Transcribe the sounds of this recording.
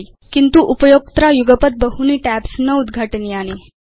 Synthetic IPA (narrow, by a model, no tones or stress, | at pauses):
i | kint̪uʔupəjok̚t̪ɾajuɡəpət̪̚bəɦuniːʈæpsnəud̪ɡʱaʈəniaɽ̃i